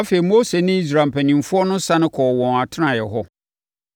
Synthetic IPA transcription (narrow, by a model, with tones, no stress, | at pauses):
a˦fe˨i˨mo˦se˨nɪ̃˦i˦s̬ɾa˨m̩˨pʰæ˨nĩ˨m˨fʊ˦ɔ˦nʊ̃˦sa˦nɪ̃˦kʰɔː˨wɔ̃˨na˨tʰɪ˦nã˨jɛ˨ɦɔ˦